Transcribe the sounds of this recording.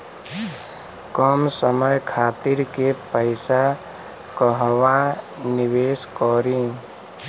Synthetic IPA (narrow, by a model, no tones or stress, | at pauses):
kɔmsəməjkʰaːt̪iɾkepəɪsa | kəɦwa | niweːskɔːɾĩ